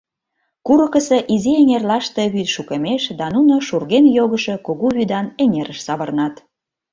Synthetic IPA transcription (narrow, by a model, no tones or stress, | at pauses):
kuɾə̆kə̆sĕʔizieŋʲerlɑʃt̪e̽βyt̪ʃukə̆meʃd̪ɑnunoʃurɣenjoɣəʃe̽koɣuβyd̪ɑneŋʲeɾəʃsɑβə̆rnɑt̪